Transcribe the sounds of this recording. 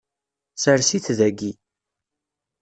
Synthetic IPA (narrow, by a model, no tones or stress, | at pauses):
səɾsiθðæɡi